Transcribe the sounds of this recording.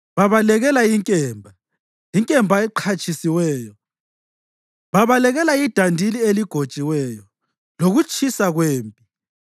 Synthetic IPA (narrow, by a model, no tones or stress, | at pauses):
βaβalɛɣɛlajiŋkʼɛːmbʱa | jiŋkʼɛmbʱaɛǃʰat͡ʃʼisiwɛːjɔ | βaβalɛɣɛlaid̥ʱandʱilieliɡ̥ʱod̥t͡ʃʼiwɛːjɔ | loɣut͡ʃʰʼisaɣweːmpʼi